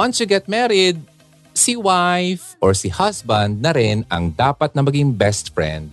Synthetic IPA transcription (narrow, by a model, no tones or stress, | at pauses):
wɐnsjʊɡɛt̪̚mɛɾɪd̪̚ | siwajfʔɔɹsɪhɐsbɐnd̪̚nɐɾɪnɐ̰ŋd̪aːpɐt̪̚nɐmɐɡɪŋbɛst̪fɹɛ̰̃nd̪̚